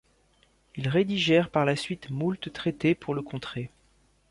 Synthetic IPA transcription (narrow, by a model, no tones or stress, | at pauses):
ilʁed̪iʒɛʁpaʁlasɥit̪mult̪t̪χet̪epʰuʁləkɔ̃t̪χe